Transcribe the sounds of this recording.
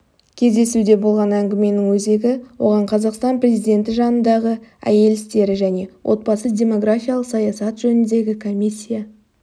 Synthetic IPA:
kʲʰe̞zd̪e̞sud̪e̞bo̞lˠʁɑnæŋɡʲɪme̞nɪŋwɵze̞ɡʲɪwo̞̰ʁɑɴqʰɑzɑqst̪ɑnprʲe̞zijd̪ʲe̞nt̪ɪʒɑnənd̪ɑʁəæ̰je̞lɪst̪e̞ɾɪʒæne̞wʔo̞̰t̪̚bɑsədʲe̞mo̞ɡɾafijalˠəqsɑjɑsɑt̪ʒ̥ɵnɪnd̪e̞ɡʲɪkʰo̞mʲisʲːija

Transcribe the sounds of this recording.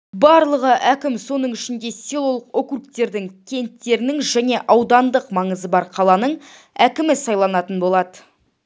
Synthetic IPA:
bɑɾlˠəʁəʔækʲɪmso̞nəɴʏʃɪnd̪e̞sʲilˠo̞lˠəqo̞kukt̪e̞ɾd̪ɪŋkʲʰe̞nt̪ːe̞ɾɪnɪŋʒæne̞ʔɑwd̪ɑnd̪əqmɑɴəzəbɑɾqʰɑlˠɑnəɴ | ækʲɪmɪsɑjlˠɑnɑt̪ənbo̞lˠɑd̪ə

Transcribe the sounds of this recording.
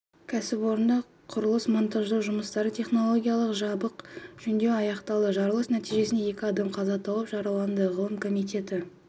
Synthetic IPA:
kʲʰæsɪpwo̞ɾənd̪ɑ | qʰʊɾəlˠəsmont̪ɑʒd̪əʒʊməst̪ɑɾət̪ʰe̞χno̞lˠo̞ɡʲijɑlˠəqʒɑbəqʒ̥ʏnd̪e̞ɑjɑqt̪ɑlˠəʒɑɾəlˠəsnæt̪ijʒe̞snd̪eje̞kʲɪɑd̪ɑmqʰɑzɑt̪ʰɑw̪əpʒɑɾɑlˠɑnd̪əʁəlˠəmkʰo̞mijt̪e̞t̪ɪ

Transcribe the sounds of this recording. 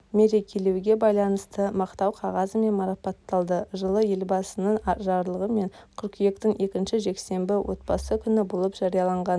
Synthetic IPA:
me̞ɾekʲʰelewɡʲe̞bɑjlˠɑnəst̪əmɑqt̪ɑwqʰɑʁɑzəme̞nmɑɾɑpɑt̪ːɑlˠd̪əʒəlˠəje̞lbɑsənəɴɑʒɑɾlˠəʁəme̞ŋkʲʰʏɾkʲʰije̞kt̪ɪŋʔe̞kʲɪnʃɪʒe̞kse̞mbɪwʔo̞̰t̪̚bɑsəkʲʰʏnɪbolˠəpʒ̥ɑɾijɑlˠɑɴʁɑn

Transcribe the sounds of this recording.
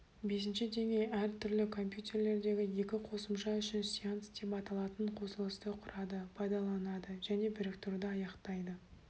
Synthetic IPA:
be̞s̬ɪnʃɪd̪e̞ŋʲe̞jæɾt̪ʰʏɾlɪkʰo̞mpjut̪ʲʰe̞ɾle̞ɾd̪e̞ɡʲɪje̞kʲɪqʰo̞səmʃɑʏʃɪnsiant̪sd̪e̞pɑt̪ɑlˠɑt̪əɴqʰo̞səlˠəst̪əqʰʊɾɑd̪əpʰɑjd̪ɑlˠɑnɑd̪əʒæne̞bɪɾɪkt̪ʰʊɾd̪əɑjɑqt̪ɑjd̪ə

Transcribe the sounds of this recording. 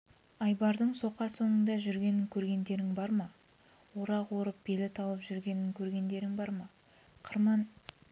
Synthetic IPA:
ɑjbɑɾd̪əɴso̞qɑso̞ɴənd̪ɑʒʏɾɡʲe̞nɪŋkʲʰɵɾɡʲe̞nd̪e̞ɾɪŋbɑɾmɑ | woɾɑqwo̞ɾəp̚b̥e̞lɪt̪ʰɑlˠəpʒʏɾɡʲe̞nɪŋkʲʰɵɾɡʲe̞nd̪e̞ɾɪŋbɑɾmɑ | qʰəɾmɑn

